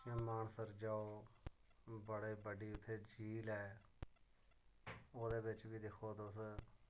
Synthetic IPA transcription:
ɪmaːnsəɾd͡ʒaːoː | bəɽeːbəɖiːʊt̪ʰːeːd͡ʒiːlɛː | oːd̪eːbɪt͡ʃʋiːd̪ɪkʰoːd̪os

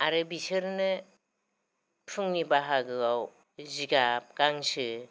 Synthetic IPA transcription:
aɾɯbisɯɾnɯ | pʰɯŋnibaɦaɡɯaw | ziɡap̚kaŋsɯ

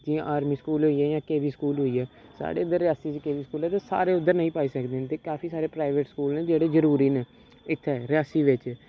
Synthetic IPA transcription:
d͡ʒiãʔaːɾmiːskuːlɦoːiːɛːjãːkeːʋiːsə̥kuːlɦoːiːɛːsa̰ːɽḛːʊd̪əɾɪjaːsiːt͡ʃkeːʋiːskuːlɛːt̪eːsa̰ːɾeːʊd̪ːəɾnəĩːpaːiːsəkd̪eːnt̪eːkaːfʰiːsaːɾeːpɾaːɪʋeːʈskuːlnẽːd͡ʒeːɽeːzəɾuːɾiːneː | ɪt̪ʰːɛːɾɪaːsiːʋɪt͡ʃ

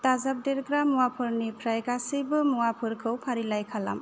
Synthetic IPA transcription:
tazap̚deɾɡɾamːuwapʰɯɾnikʰɾajɡasibɯmuwapʰɯɾkʰɯwpʰaɾilajkʰala̰m

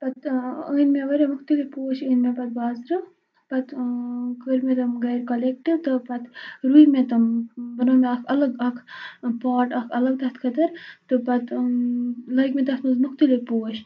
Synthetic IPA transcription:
pɐt̪ɨːnmeʋɐɾemukt̪ilipoːʃɨːnmebɐt̪̚baːzɾɨ | pɐt̪kəɾmet̪ɐmɡɐjɾkɐlek̚ʈiʋt̪ɨpɐt̪ɾujmet̪ɐmbɐnoːmeɐkʰɐlɐɡɐkʰpaːʈɐkʰɐlɐɡ̚d̪ɐt̪ʰkʰɐd̪ɐɾt̪ɨpɐt̪ | lɐkmed̪ɐt̪mɨzmuk̚t̪ilʲipoːʃ

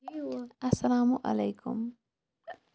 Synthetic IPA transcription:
ʔasːalaːmʊʔa̰lajkʰʊ̰m

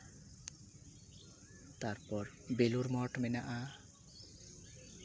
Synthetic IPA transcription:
t̪aɾpɔɾbeluɾmɔʈmenaʔa

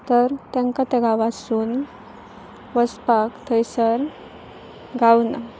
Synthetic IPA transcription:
t̪əɾt̪jãŋkat̪ɛɡaʋasuːn | ʋəspakt̪ʰəjsəɾ | ɡʱawna

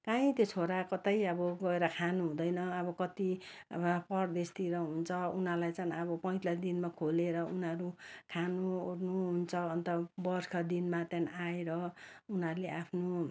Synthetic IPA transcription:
kaĩt̪jot͡sʰoɾakʌt̪ajʌbʌɡʌeɾʌkʰanuɦũd̪ʌjnʌːbʌkʌt̪i | pʌrd̪est̪iɾʌɦunt͡sʰʌunɦʌlajt͡saĩʌbʌpʌĩt̪ad̪inmakʰoleɾʌunʌɾukʰanurnuɦunt͡sʰʌːnt̪ʌbʌrkʰʌd̪inmat̪janaeɾʌunɦʌɾuleapʰno

